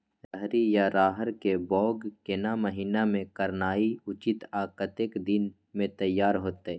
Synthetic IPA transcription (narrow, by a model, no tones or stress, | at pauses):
ɾəɦɾijaɾaːɦəɾkebɔːɡkenaməɦiːnamẽkəɾnaːiʊt͡ʃɪt̪aːkət̪ekd̪ɪn | mẽt̪əjːaːɾɦoːt̪eɛː